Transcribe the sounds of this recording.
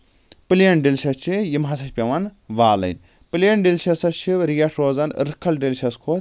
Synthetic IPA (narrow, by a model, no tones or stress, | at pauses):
pɨlijɐnɖilʃɐst͡ʃʰijimɦɐsɐʃʲpʲɐʋɐnʋaːlɐ̰nʲ | pɨljɐnɖilʃɐsɐt͡ʃʰiɾijɐʈʰɾoːzɐnɾɨkʰɐlɖilʲʃɐskʰoː